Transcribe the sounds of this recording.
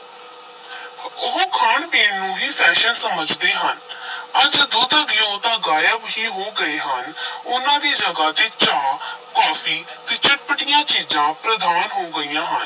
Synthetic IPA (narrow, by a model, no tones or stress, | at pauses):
ʊɦkʰaːɳpeːnnũːɦiːpʰɛːʃənsəməd͡ʒd̪eːɦənəd͡ʒd̪oːd̪əɡɪjõːt̪ãːɡaːjəbɦiːɦoːɡəeːɦənʊnãːd̪iːd͡ʒəɡaːt̪eːt͡ʃaːkaːfiːt̪ɪːt͡ʃʰɪʈ̚pəʈɪjãːt͡ʃiːzãːpɾəd̪aːnɦoːɡəijãːɦən